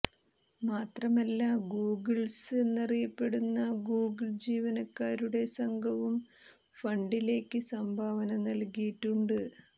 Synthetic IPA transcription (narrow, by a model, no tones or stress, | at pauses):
maːt̪rɐmɐlːaɡuːɡɨɭse̞nːɐrijɐpːe̞ɽunːɐɡuːɡɨld͡ʑiːʋɐnɐkːaːɾuɽe̞sɐŋɡʱɐʋum | fɐɳɖile̞ːkːɨsɐmbʱaːʋɐnɐnɐlkijiʈːuɳɖɨ